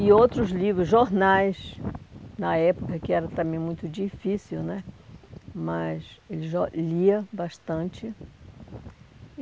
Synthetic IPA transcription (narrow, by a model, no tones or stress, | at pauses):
ɪowt̪ɾʊzlivɾʊzʒoɾnajs | nɐɛpokɐkɪɛɾɐt̪ɐ̃mẽj̃mũj̃t̪ʊd͡ʒifisiwnɛ | mɐselɪʒoliɐbaʃt̪ɐ̃nt͡ʃɪ